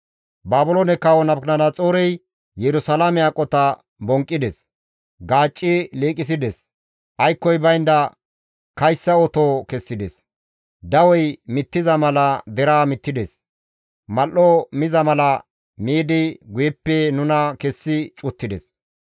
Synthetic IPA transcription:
baːbʊloːnɛkːɐwɔnɐpknɐnɐt͡sʼoːɾɛj | jɛɾʊsɐlamɛakʼɔt̪ɐ | bɔŋkʼːɪd̪ɛs | ɡaːt͡ʃʼːɪleːkʼɪs̬ɪd̪ɛs | ʔɐjkːɔjbɐjnd̪ɐ | kɐjsːɐɔt̪oːkɛsːɪd̪ɛs | d̪ɐwɔjmɪt̪ːɪzɐmɐlɐd̪ɛɾaːmɪt̪ːɪd̪ɛs | mɐlːomɪzɐmɐlɐ | miːd̪ɪɡʊjɛpːɛnʊnɐkɛsːɪt͡ʃʼʊt̪ːɪd̪ɛs

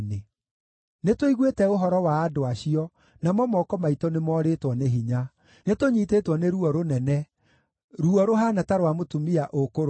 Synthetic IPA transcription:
ne | netwiɣwetɛoɦɔɾɔwaːdoaɕiɔ | namɔmɔkɔmaitɔnemɔɾetwɔneɦiɲa | netoɲitetwɔneɾuɔɾonɛnɛ | ɾuɔɾoɦanataɾwamotumiaʔokoɾ

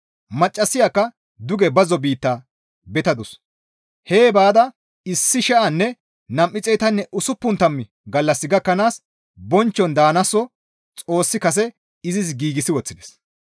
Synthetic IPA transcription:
mɐt͡ʃʼːɐsːɪjakːɐ | d̪ʊɡɛbɐzɔbiːt̪ːaː | bɛt̪ɐd̪ʊs | he̞ːbaːd̪ɐ | ɪsːɪʃɛʔɐnːɛ | nɐmʔɪt͡sʼɛjt̪ɐnːɛʔʊsʊpːʊnt̪ɐmːɪ | ɡɐlːɐsːɪɡɐkːɐnaːs | bɔnt͡ʃːɔnd̪aːnɐsːɔ | t͡sʼo̞ːsːɪkɐs̬ɛ | ɪzɪs̬ɡiːɡɪsɪwɔt͡sːɪd̪ɛ̥s

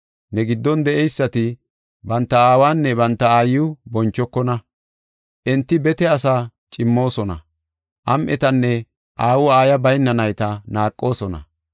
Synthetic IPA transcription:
nɛɡɪd̪ːɔnd̪ɛʔɛjsːɐt̪ɪ | bɐnt̪ːɐaːwaːnːɛbɐnt̪ːɐaːjʊbɔnt͡ʃːɔkːɔnɐ | ʔɛnt̪ːɪbɛt̪ɛɐsaːt͡ʃʼɪmːo̞ːsɔnɐ̰ | ʔɐmʔɛt̪ɐnːɛ | ʔaːwʊaːjɐbɐjnːɐnɐjt̪ɐnaːkʼːo̞ːsɔnɐ̰

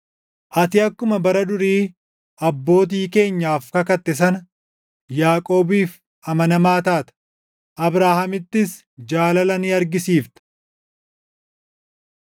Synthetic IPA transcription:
ʔɐt̪ɪɐkːʊmɐbɐɾɐd̪ʊɾiː | ɐbːo̞ːt̪̬iːke̞ːɲːaːfkɐkɐt̪ːɛs̬ɐn | jaːkʼo̞ːbiːf | ɐmɐnɐmaːt̪aːt̪ɐ̥ | ʔɐbɾaːhɐmɪt̪ːɪs | d͡ʒaːlɐlɐnɪɐɾɡɪsiːft̪ɐ̥

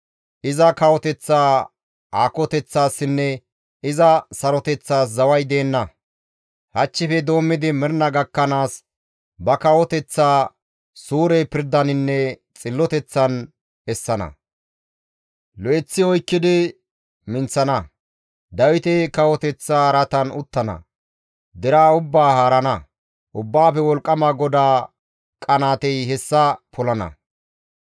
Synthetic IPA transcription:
ʔɪzɐkɐwɔt̪ɛt͡sːaː | aːkɔt̪ɛt͡sːaːsːɪnːɛ | ɪzɐsɐɾɔt̪ɛt͡sːaːs̬zɐwɐjd̪e̞ːnːɐ | hɐt͡ʃːɪfɛd̪o̞ːmːɪd̪ɪmɪɾnɐɡɐkːɐnaːs | bɐkɐwɔt̪ɛt͡sːaː | suːɾɛpɪɾd̪ɐnɪnːɛt͡sʼɪlːɔt̪ɛt͡sːɐn | ɛsːɐnɐ̰ | lɔʔɛt͡sːɪɔjkːɪd̪ɪ | mɪnt͡sːɐnɐ | d̪ɐwɪt̪ɛkɐwɔt̪ɛt͡sːaːɾɐt̪ɐnʊt̪ːɐnɐ̰ | d̪ɛɾaːʊbːaːhaːɾɐnɐ | ʔʊbːaːfɛwɔlkʼːɐmaɡɔd̪aː | kʼɐnaːt̪ɛjhɛsːɐpʰɔlɐnɐ̰

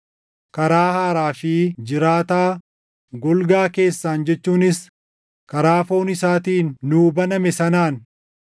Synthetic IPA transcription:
kɐɾaːhaːɾaːfɪd͡ʒɪɾaːt̪aː | ɡɔlɡaːke̞ːsːaːnd͡ʒɛt͡ʃːuːnɪs | kɐɾaːfo̞ːnɪsaːt̪iːnːuːbɐnɐmɛsɐnaːn

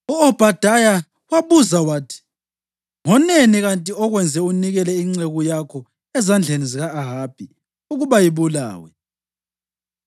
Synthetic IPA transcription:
uɔb̥ʱad̥ʱaja | waβuzawaːtʰi̥ | ŋɔneniɣantʼiɔɣwɛnd͡zʱɛuniɣɛlɛiŋ͡ǀeɣujakʰɔ | ɛzand͡ɮʱeniziɣaːɦab̥ʱi | uɣuβajiβula̰ːwɛ̰

